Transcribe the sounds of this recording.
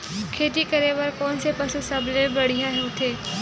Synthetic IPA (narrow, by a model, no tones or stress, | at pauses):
kʰeːt̪ikɐɾeːʋəɾkɔːnsepɐsusɐblẽbɐɽ̤ijãɦõt̪ʰeː